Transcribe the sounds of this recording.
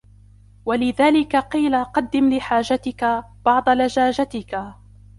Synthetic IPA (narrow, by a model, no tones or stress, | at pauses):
walɪðaːlɪkaqiːlaqɑd̪ːɪmlɪħaːd͡ʒat̪ɪka | b̥ɑʕd̪ˤɑlad͡ʒaːd͡ʒat̪ɪka